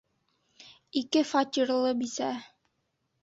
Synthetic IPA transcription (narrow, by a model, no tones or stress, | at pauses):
ikɘfatʲiɾlˠɤbisæ